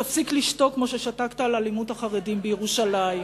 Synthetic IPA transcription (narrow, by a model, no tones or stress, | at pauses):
afsikliʃto̞kkmoʃe̞ʃatakt̪aːlalimuthaχaʁedimbejeʁuʃalai